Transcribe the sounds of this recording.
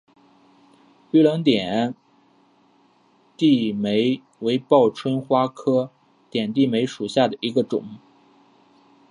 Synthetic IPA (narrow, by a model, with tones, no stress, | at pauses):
y˥˩lɑ˧˥ŋt̪̬jɛ˨˩n˥ | t̪i˥˩me˧˥ɪ | we˧˥ɪpɑ˥˩ʊʈ͡ʂʰwə˥nxwa˥kʰɤ˥ | t̪jɛ˨˩nt̪̬i˥˩me˧˥ɪʂu˨˩ɕja˥˩d̪ə˩i˧˥ɡə˧ʈ͡ʂʊ̰˨˩˦ŋ